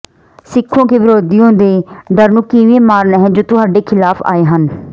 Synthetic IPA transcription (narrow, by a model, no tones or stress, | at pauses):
sɪkʰːõːkeːʋɪɾoːd̪ijõːd̪eːɖəɾnũːkiʋẽːmaːɾnɛɦɛ̃ːd͡ʒoːt̪ʊɦaːɖeːkʰɪlaːpʰa̰ːeːɦən